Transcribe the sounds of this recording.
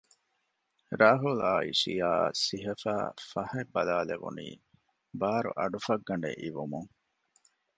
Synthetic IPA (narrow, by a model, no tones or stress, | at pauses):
ɾaːɦula̰ːḭsijaːsiɦɐfa̰ːfɐhebːɐlaːleʋṵnḭː | baːɾṵʔɐɖufɐɡːɐɳɖḛʔiʋumuŋ